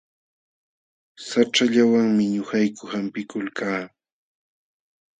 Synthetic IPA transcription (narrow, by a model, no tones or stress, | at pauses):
saʈ͡ʂaʎawaŋmɪɲʊhajkʊhampɪkʊlkʰaː